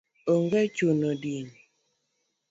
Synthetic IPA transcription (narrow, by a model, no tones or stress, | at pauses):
oŋɡɛt͡ʃunodin